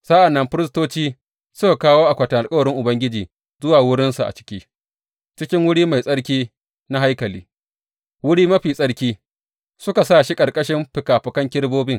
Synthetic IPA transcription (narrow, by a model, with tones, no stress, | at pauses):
sa˦ʔa˨nːɐ˦mɸɪ˦ɾɪ˦s̬toː˦t͡ʃiː˦ | sʊ˦ka˨kaː˦woː˦ʔa˨kʷɐ˨ta˨ʔa˨lkʼɐ˦wɐ˨ɽɪ˦ŋʔʊ˨bɐ˦ŋɡʲɪ˦d͡ʒiː˨ | zʊ˦waː˨wʊ˦ɽɪ˦nsa˨ʔa̰˨t͡ʃɪ̥˦kʲiː˦ | t͡ʃɪ˦kʲɪ˦ŋwʊ˦ɽiː˦ma˨jsʼɐ˦ɽk̬ʲiː˦ | na˦ɦa˦jkɐ˨liː˦ | wʊ˦ɽiː˦mɐ˦ɸiː˨sʼɐ˦ɽkʲiː˦ | sʊ˦ka˨saː˦ʃi˦kʼɐ˨ɽkʼɐ˦ʃɪ˦mɸɪ˨kaː˨ɸɐ˨kɐ˦ŋkʲɪ˦ɽboː˦bɪ˦ŋ